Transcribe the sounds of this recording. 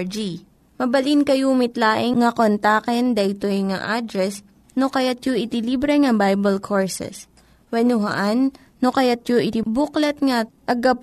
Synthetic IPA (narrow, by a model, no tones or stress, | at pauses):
d͡ʒi | mɐbɐlinkɐjumɪt̪laːʔɪŋŋɐkont̪aːkɛnd̪ɐʔɪt̪ojŋa̰ʔad̪ɾɛs | nokɐjat̪joʔɪt̪ɪlibɾɛŋɐbajbɐlkʰoɹsɛ̰s | wɐnʊɦɐ̰ʔanː | okɐjat̪̚joʔɪt̪ɪbuklɐt̪̚ŋɐ | ɐɡɐp